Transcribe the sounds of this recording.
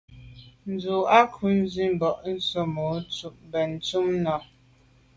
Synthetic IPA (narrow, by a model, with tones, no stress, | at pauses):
n̩˨zu˨a˦kʰu˨˦n˦zi˦m̩˦bɔ˨ʔn̩˦so˦mo˨˦t͡su˦ʔmbɛ˨n˨t͡su˦mnɔ˨